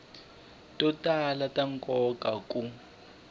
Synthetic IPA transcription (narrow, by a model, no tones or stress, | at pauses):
tʼɔtʼalatʼaŋkʼɔkʼakʼu